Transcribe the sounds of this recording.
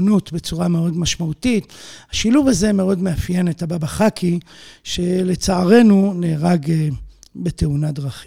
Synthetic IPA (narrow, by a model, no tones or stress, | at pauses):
nutbe̞t͡suʁameo̞dmaʃmautithaʃiluvazeme̞o̞dmeafje̞netababaχakʰiʃe̞le̞t͡saːʁe̞nuneːʁaɡebe̞teunadʁaχi